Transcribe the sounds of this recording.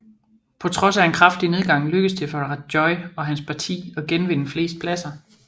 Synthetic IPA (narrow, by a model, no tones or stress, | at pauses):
pʰɒ̽t͡sʰʁɒ̽sæe̝nkʰʁɑfd̥ine̝ð̞ˠɡ̥ɑ̈ŋ̰løɡ̥əðst͡sʰe̝fɒʁɑ̥ɒ̽ɪɒ̽ɦænspʰɑ̈t͡sʰḭːɒ̽ɡ̥enʋe̝nəfle̝̰ːsd̥̚pʰlæsɐ